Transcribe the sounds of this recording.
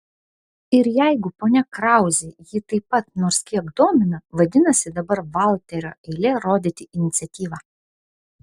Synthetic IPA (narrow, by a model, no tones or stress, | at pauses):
ɪɾjæˑɪɡʊpoːnʲɛkɾɑˑʊzʲejɪt̪ɐɪpːɐt̪noːɾskʲiɛkd̪oːmʲɪnɐʋɐd̪ʲɪnɐsʲɪd̪ɐbɐɾʋɑlˠʲt̪ʲɛɾʲo̰ːʔɛɪlʲeɾoːd̪ʲɪt̪ʲɪʔɪnʲɪt̪sʲɛt̪ʲiːʋɑː